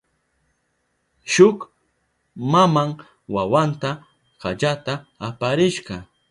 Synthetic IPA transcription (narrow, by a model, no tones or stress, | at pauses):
ʃʊk | mamaŋ | wawant̪a | ɢaʎat̪aːpaɾɪʃɢɑ